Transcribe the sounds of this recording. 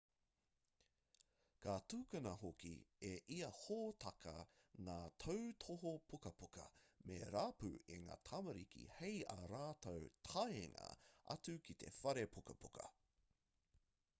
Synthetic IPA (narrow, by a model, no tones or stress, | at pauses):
kʰatuːkɐnɐhokḭeʔiɐhoːt̪ʰɐkʰɐŋaːt̪ʰowtʰoɦopʰukɐpukɐmeɾaːpʉ̰eŋa̰ːt̪ʰɐmɐɾikʰḭhejɐɾaːtowtʰɐjeŋɐ̰ɐ̰t͡sʉkʰit̪ʰe̞̰fɐɾepʰukɐpʰukɐ̰